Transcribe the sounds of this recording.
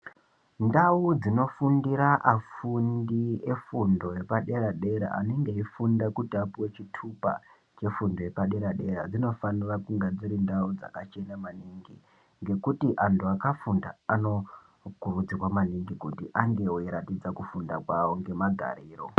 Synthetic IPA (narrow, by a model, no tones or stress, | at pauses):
ndaud͡zino̞fundiɾaʔafundie̞fundo̞je̞paɗe̞ɾaɗe̞ɾa̰ʔa̰neŋɡeifundakutiapuwe̞t͡ʃitʰupa̰ | t͡ʃe̞fundo̞je̞paɗe̞ɾaɗe̞ɾa̰d͡zino̞fanirakuŋɡed͡ziɾindaud͡za̰kat͡ʃe̞namaniŋɡi | ŋɡe̞kutiʔantuakafunda̰ano̞ | kurud͡zikwamaniŋɡikutiʔaŋɡe̞oiɾatid͡zakufundakwawoŋɡe̞maɡʱa̰ɾiːro̞̰